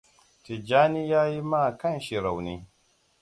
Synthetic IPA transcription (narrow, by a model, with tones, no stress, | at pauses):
ti˨d͡ʒaː˦ni˦jaː˦ji˦ma˦˨kɐ˦˨nʃi˨ɾa˨wniː˦